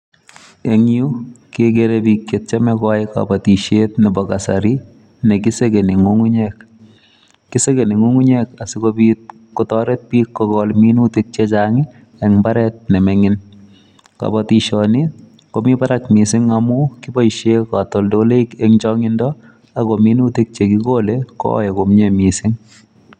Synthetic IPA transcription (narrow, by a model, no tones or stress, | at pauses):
eŋjukeɡeɾepikjet̚t͡ʃamɛkɔjka̰batiʃetnɛbɔkasaɾi | nekisekeniŋuŋuɲɛk̚ː | isekeniŋuŋuɲekasikopit̚ | kɔtɔːɾet̚piːkːɔkɔlminutik̚t͡ʃet͡ʃaŋɪ | eŋmbaɾɛt̚nemɛŋɪn | ka̰bɔtiʃɔni | komipaɾakmisiŋamukibɔiʃekatɔldolekeŋt͡ʃɔŋɪndɔ | akominutik̚t͡ʃekikolekɔ̰jekomɲemisɪŋ